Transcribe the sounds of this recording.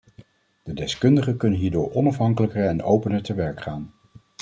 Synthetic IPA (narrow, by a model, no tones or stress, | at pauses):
d̥ədɛskɵndəχəkɵnənɦiːɹdʊːɹɔnɑfɦɑŋkələkəɹɛnowpənəɹtəʋɛɹkχaːn